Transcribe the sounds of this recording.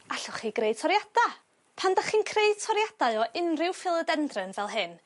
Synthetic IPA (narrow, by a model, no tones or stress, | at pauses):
aɬʊχiɡreɨd̥̚tʰɔɾjad̥a | pʰandaχiːnkʰreɨd̥̚tʰɔɾjad̥aɨɔʔɪnrɪwfɪlˠədɛndrɨnvɛlˠɦɨn